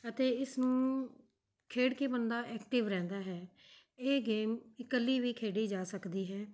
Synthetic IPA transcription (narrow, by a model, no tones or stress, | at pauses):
ət̪eːɪsnũː | kʰeːɽkeːbənd̪aːʔɛːkʈɪʋɾɛ̃ːnd̪aːɦɛː | eːɡeːmɪkəlːiːʋiːkʰeːɽiːd͡ʒaːsəkd̪iːɦɛː